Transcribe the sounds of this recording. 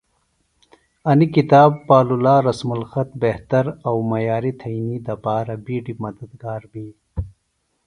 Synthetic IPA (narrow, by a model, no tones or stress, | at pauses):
ɐnikit̪aːbːaːlulaːɾɐsmulxɐt̪̚beht̪ɐɾɐwmɐjaːɾit̪ʰɐinid̪ɐpaːɾɐbiːɖimɐd̪ɐd̪ɡaːɾbiː